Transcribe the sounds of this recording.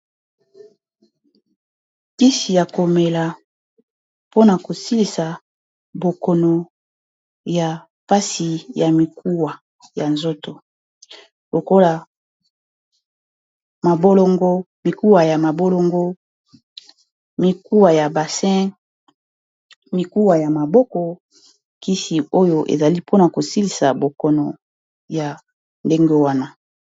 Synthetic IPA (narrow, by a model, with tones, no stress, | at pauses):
ti˦si˨ja˨ko˨me˨la˨ | po˦na˨ko˨si˦li˨sa˨ | bo˨ko˨no˨ | ja˨ | pa˦si˨ja˨mi˨ku˦wa˨ | ja˨nzo˦to˨ | lo˨ko˦la˨ | ma˨bo˦lo˦ŋɡo˦ | mi˨ku˦wa˨ja˨ma˨bo˦lo˦ŋɡo˦ | mi˨ku˦wa˨ja˨ba˨sɛ̃˦ | mi˨ku˦wa˨ja˨ma˨bɔ˦kɔ˨ | ki˦si˨o˦jo˦ʔḛ˨za˨li˦pʰo˦na˨ko˨si˦li˨sa˨bo˨kɔ˨nɔ˨ | ja˨ | nde˦ŋɡe˦wa˦na˦